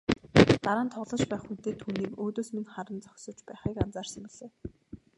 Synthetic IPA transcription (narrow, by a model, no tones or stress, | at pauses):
t̪aɾaːnt̪ʰɔʁɮɞ̆t͡ɕpæːχxut̪eːt̪ʰːuːniːkoːt̪oːsmiŋχaɾə̆nt͡sɔ̥xsɞ̆t͡ɕpæːχiːkant͡saːrsemuɮ̥eː